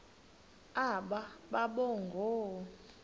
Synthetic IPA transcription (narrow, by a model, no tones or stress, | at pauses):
aɓaɓaɓɔŋɡʱɔː